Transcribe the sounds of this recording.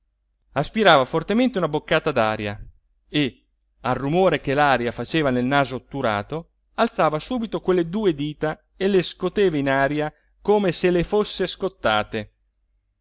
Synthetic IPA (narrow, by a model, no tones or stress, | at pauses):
aspiɾaːvafort̪ement̪eunabokːaːt̪ad̪a̰ːɾja̰ | e | arːumoːɾek̟elaːɾjafat͡ʃeːvanelnaːzot̪uɾa̰ːt̪o | alt̪saːvasuːbit̪okwelːed̪uːed̪iːt̪a | eleskot̪eːvainaːɾja | koːmeselefosːeskot̪ːaːt̪e